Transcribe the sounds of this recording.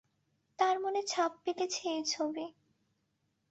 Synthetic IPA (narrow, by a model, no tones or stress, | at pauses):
t̪aɾmonet͡ɕʰap̚ːik̪et͡ɕʰet͡ɕʰobi